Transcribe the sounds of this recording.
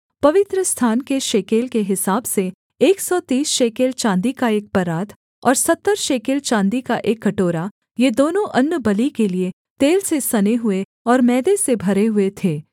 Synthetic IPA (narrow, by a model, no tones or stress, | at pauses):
pɐʋɪt̪ɾəst̪ʰaːnkeʃeːkeːlkeɦɪsaːbse | eːksɔt̪iːsʃeːkeːlt͡ʃãːnd̪ikaeːk̚pɐɾaːd̪ | ɔ̰ːɾsɐt̪ːəɾʃeːkeːlt͡ʃãːnd̪ikaʔeːkːɐʈoːɾa | jed̪oːnõʔɐnːəbɐlikelie | t̪eːlsesɐneɦʊe | ɔːɾmɛːd̪esebʱɐɾeɦʊet̪ʰeː